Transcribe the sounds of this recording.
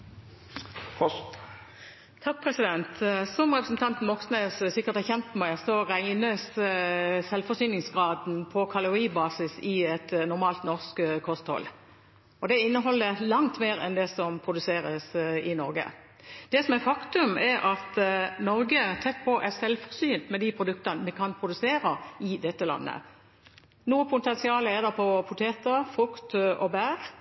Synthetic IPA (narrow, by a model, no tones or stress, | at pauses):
t̪ʰɑk̚pʰʁɛsɪd̪ɛnt̪sɔmʁɛpɾəsn̩t̪ɑnt̪n̩mɔksnesəsɪkːəʁt̪ɛçɛnt̪mæɪsɔʁæɪnəs | sɛlfɔsyːnɪŋsɡʁɑːd̪n̩pʰɔkʰɑlʊʁiːbɑːsɪsɪɛt̪nʊʁmɑːlt̪nɔʁskkʰɔst̪hɔ̰l | ɔd̪ɛɪnːəɦɔlːəlɑŋt̪meːɾɛ̰nd̪ɛsɔmpʰʁʊd̪ʉseːɾəsɪnɔɾɡə̰ | d̪̥ɛsɔmɛɾfɑkt̪ʉmɛɾɑt̪nɔɾɡət̪ʰɛt̪̚ːpʰɔʔɛʁsɛlfɔʁsyːnt̪mɛd̪ipʰʁʊd̪ʉkt̪ɑnəmɛkʰɑnpʰʁʊd̪ʉseːɾɑɪd̪ɛt̪ːəlɑ̰nːə̰ | nuːəpʰʊt̪ɛnsɪɑːləɛʁd̪ɛpʰɔpʰʊt̪ʰeːt̪əʁfʁʉkt̪ɔbæːʁ